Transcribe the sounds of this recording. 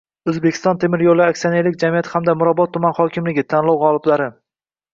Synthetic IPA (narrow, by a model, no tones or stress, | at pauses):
ɵzbekʰʲɪ̥st̪ɒnt̪ʰemɪɾjolˠɪakʲsianeɾlɪk̚ʲd͡ʒamijat̪ʰhamd̪amʊɾabɒt̪ʰːʊmanχɒkʲɪmlɪɡʲɪt̪ʰanlˠɒwʁɒlˠɪblaɾɪ